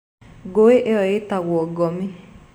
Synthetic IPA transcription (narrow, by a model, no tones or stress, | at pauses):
ɡoeʔeɔetaɣwɔɡɔmi